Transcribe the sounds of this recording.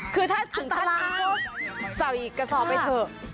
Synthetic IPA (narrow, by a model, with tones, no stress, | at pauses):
kʰɯː˧t̪ʰaː˥˩t̪ʰɯ˨˩˦ŋa˧˥˧laː˦˥˦sa˨˩wiː˨˩kːa˧sɔː˨˦pa˧t̪ʰɤː˧˩